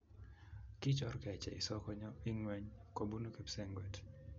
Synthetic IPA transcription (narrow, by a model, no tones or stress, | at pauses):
kit͡ʃɔɾkɛt͡ʃɛ̰isɔkɔɲɔiŋwɛɲkobunukɛpsɛŋɡwɛt